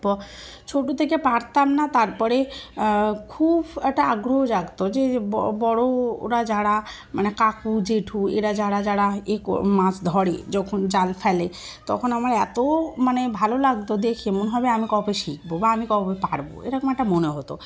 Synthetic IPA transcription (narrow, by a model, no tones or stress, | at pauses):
ɔ | t͡ʃʰoʈut̪ʰekepaɽt̪amnat̪aɾpɔɾe | kʰubɛk̚ʈaaɡɾoɦod͡ʒaɡt̪od͡ʒeɔbɔɽo̰ɾad͡ʒaɽa | manekakud͡ʒeʈʰuḛɾad͡ʒaɽad͡ʒaɽaekmãsʰd̪ʱɔɽed͡ʒɔkʰond͡ʒalpʰɛle | t̪ɔ̰kʰɔnamaɾɛt̪omanebʱalolaɡt̪od̪ekʰemonɦɔbeamikɔpeʃik̚bobaamikɔpepaɽbo̰ḛɾakmaʈamoneɦɔt̪o̰